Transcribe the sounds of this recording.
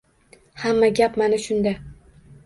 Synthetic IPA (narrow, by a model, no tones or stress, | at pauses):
hamːaɡʲapmanaʃʊnd̪a